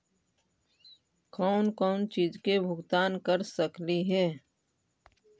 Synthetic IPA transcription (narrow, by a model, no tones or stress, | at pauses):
kɔːnkɔːnt͡ʃiːd͡ʒkebʱʊɡt̪aːnkəɾsəkliɦɛː